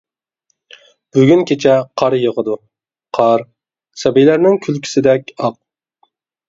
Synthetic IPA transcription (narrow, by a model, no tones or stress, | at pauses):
b̥yɡʲynkʲʰet͡ʃʰɛqʰɑɾjəʁəd̪u | qʰɑɾ | sɛbijlæɾnɪŋkʲʰylkʲʰi̥sɪd̪ɛkʲɑq̚